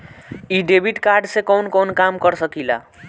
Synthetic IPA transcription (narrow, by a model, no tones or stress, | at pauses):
iɖebʱiʈkaɾɖsẽkɔwnkɔnkamkəɾsəkila̰